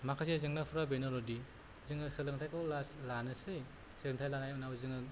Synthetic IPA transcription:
makʰasezɯŋnapʰuɾabenɔlɔdi | zɯŋɯsɯlɯŋtʰajkɔwlaslanɯsɯj | sɯlɯŋtʰajlanajunawzɯŋɯ

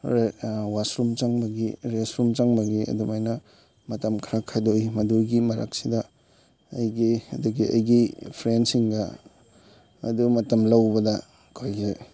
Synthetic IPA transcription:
ɾewasɾumt͡ʃaŋbɐɡiɾesɾumt͡ʃaŋbɐɡiɐ̰dumajnɐ | mɐtɐmkʰɐɾakʰajdojmɐduɡimɐɾa̰k̚sidɐː | jɡiɐduɡiɐ̰jɡipʰɾensiŋɡɐ | dumɐtɐmlɐwbɐdɐ | kʰojɡze

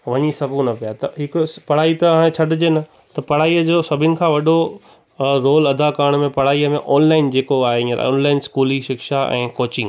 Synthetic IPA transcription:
ʋɐɲisɐɡʱũnɐpijat̪ɐɦɪkʊpɐɽ̤aːit̪ɐaːɽ̃ẽt͡ɕʰɐɖʱɪd͡ʑenɐ | t̪ɐpɐɽ̤aːiːəd͡ʑoːsɐbʱɪnɪ̆kʰãːʋɐɗo | ɾoːlɐd̪ʱakaɾəɽ̃mẽpɐɽ̤aːiəmẽʔɔːnlaːɪnd͡ʑeːkoaːɦeĩɾ̰o̰ːnlaːɪnskuːliʃɪkʃaʔɛ̰̃ːkoːt͡ɕɪ̃ŋɡ

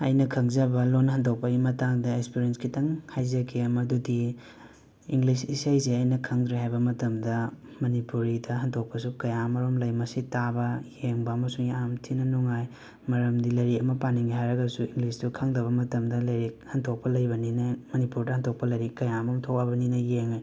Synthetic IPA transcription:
ɐ̰jnɐkʰɐŋzɐbɐlonːɐɦɐndok̚pɐɡimɐtaŋdɐekspiɾenskitɐŋhajzɐkʰemɐdudi | iŋɡlisisajsiɐjnɐkʰɐŋdɾeɦajbɐmɐtɐmdɐ | mɐnipuɾidɐɦɐntʰok̚pɐsukɐjamɐɾomlɐjmɐsitabɐjeŋbɐɐmɐsuŋiamtʰinɐnuŋaj | mɐɾɐmdilɐɾiɐmɐpaniŋɡiɦajɾɐɡɐsuiŋɡlisdukʰaŋdɐβɐmɐtɐmdɐlɐɾihɐntʰok̚pɐlɐjbɐninamɐnipuɾdɐhɐntʰok̚pɐlɐɾikɐjamomtʰok̚ɐbɐninɐjeŋa

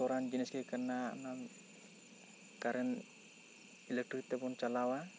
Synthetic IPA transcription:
ɔɾand͡ʒinɛskɛkəɾnanan | kaɾʔɛn | ilɛk̚ʈɾik̚t̪ɛbɔnt͡ʃalawa

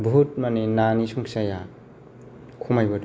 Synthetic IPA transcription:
bʱut̚maninanisuŋsaja | kʰumajbɔd

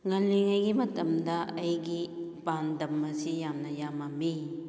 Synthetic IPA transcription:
ŋaniŋajɡimɐt̪ɐmdaʔɐjɡiband̪ɐmːasijamnajamami

